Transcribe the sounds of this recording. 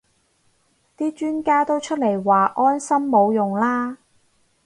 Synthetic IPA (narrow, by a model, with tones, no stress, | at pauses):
t̪iː˥t͡ʃyː˥nkaː˥t̪o˥wt͡ʃʰɵ˥t̚le˨˩jwaː˨ʔɔː˥nsɐ˥mːo˨˧wjʊ˨ŋlaː˥